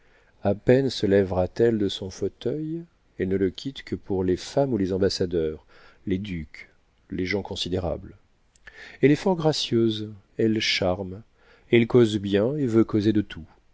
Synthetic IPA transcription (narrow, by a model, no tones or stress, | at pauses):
apɛnsəlɛvʁat̪ɛld̪əsɔ̃fot̪œj | ɛlnələkʲʰit̪kəpuʁlefamulezɑ̃basad̪œːʁ | led̪yk | leʒɑ̃kɔ̃sid̪eʁa̰bl | ɛlɛfɔʁɡʁasjøz | ɛlʃaʁm | ɛlkozbjɛ̃evøkozed̪ət̪ʰu